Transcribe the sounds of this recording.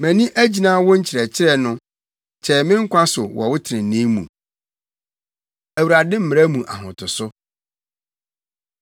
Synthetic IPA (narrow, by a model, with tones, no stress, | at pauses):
mæ̃˨nĩ˦ʔæ˦d͡ʑi˨nãː˦wɔ˦ɲ̩˦t͡ɕʰɪ˨ɾɛ˨t͡ɕʰɪ˦ɾɛ˦nʊ̃˦ | t͡ɕʰɛ˨mɪ̃˦ŋ̩˦kʷʰã˦sʊ˨wʔɔ˨wʊ˦tʰɪ˨ɾɪ̃˨n̩˨nĩ˦mṵ̃˨ | æ˨wu˨ɾa˨dɪ̃˦m̩˦mɪ̃˨æ˦mũ˨ʔa̰˨ɦʊ̃˨tʰʊ˨sʊ˦